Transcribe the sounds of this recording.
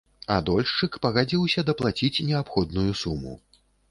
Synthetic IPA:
ad̪ɔlʲʂt͡ʂɨkpɐɣad͡zʲiwsʲɐd̪ɐplˠat͡sʲit͡sʲnʲɛapxɔd̪nujusumṵ

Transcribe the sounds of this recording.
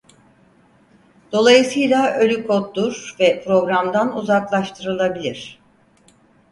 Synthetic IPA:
d̪̥o̞lˠajɯsɯjlˠaʔø̞lʲykʰot̪̚d̪uɾvɛpʰɾo̞ɡɾamd̪anuzaklˠaʃt̪ʰɯɾɯlˠabilʲiɾ̝̥

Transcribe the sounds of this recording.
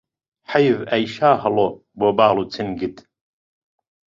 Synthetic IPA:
ħajvɐjʃaːhɐlo | boːbaːluːt͡sʰɨnɡɨt̪

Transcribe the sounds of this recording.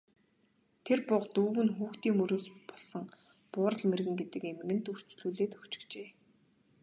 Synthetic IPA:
t̪ʰerpʊqt̪uːɣɘ̆nxuːxt̪iːŋmɵɾɵ̆ːspɔɮsɞ̆ŋ | pʊːɾə̆ɮmerɣɘ̆ŋɡet̪ɘ̆kem̆ɣɘ̆nt̪ur̥t͡ɕɮuːɮeːt̪ɵ̥kt͡ɕɪ̥̆kt͡ɕeː

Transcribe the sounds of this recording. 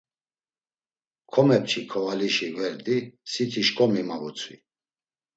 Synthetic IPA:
kʰɔmɛp̚t͡ʃʰikʰɔvaliʃivɛɾd̪isit̪ʰiʃkʼɔmimavut͡sʰwḭ

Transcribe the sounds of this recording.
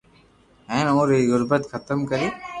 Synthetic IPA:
ɛ̃ːnõːɾiɣʊɾbət̪xʰət̪əmkəɾiː

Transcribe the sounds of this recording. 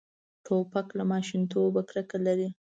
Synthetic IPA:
ʈʰopaklamɑʃint̪obakɾəkalaɾi

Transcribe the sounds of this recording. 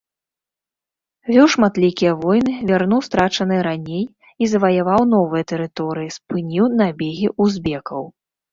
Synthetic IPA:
vʲɔwʂmat̪lʲikʲijɐvɔjnɨvʲarnuwst̪ɾat͡ʂɐnɨɾanʲej | izɐvɐjavawn̪ɔvɨjɐt̪ɛɾɨt̪ɔɾɨjispɨnʲiwnabʲeɣʲiʔuzbʲɛkɐw

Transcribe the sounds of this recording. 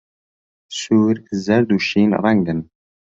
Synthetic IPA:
suːɾzɐɾd̪uʃiːnɔ̰vaŋɡən

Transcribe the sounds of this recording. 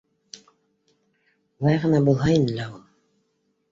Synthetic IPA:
ulˠɑjʁɤ̆nɑbulˠɦɑinlæulˠ

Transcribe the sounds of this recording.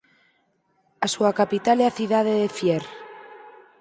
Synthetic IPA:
asuakapit̪aleaθiðaðeðefjeɾ

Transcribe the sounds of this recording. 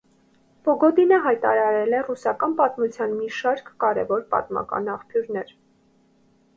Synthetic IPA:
pɔɡɔd̪inəɦɑjt̪ɑ̰ɾɑɾɛlɛrusɑkɑnpɑt̪mut͡sʰjɑnmiʃɑɾkːɑɾɛ̰vɔɾpɑ̰t̪mɑ̰kɑ̰nɑχpʰjuɾnɛɾ

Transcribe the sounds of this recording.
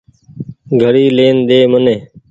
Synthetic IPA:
ɡʱəɽiːleːnd̪eːməneː

